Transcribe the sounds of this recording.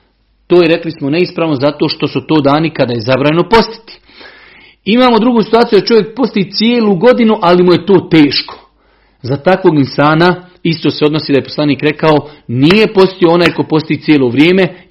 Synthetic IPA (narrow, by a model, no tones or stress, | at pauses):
t̪oːjeɾe̞klismone̞ispɾaːʋnozat̪o̞ːʃt̪o̞sut̪o̞ːd̪aːnikad̪aːje̞zabɾaːɲeno̞po̞st̪i̥t̪i̥ | imaːmo̞d̪ɾuɡuːsi̥t̪uaːt̪ijud̪at͡ʃo̞ʋjek̚po̞st̪iit̪sjeːluːɡo̞d̪inuʔalimuje̞t̪o̞ːt̪e̞ːʃko̥ | zat̪akʋoːɡinsaːna | ist̪o̞ːseono̞siːd̪aje̞poslˠaniːkɾe̞kaonije̞po̞st̪ioo̞naːjko̞po̞st̪iiːsjeːlˠo̞ːʋɾjeːme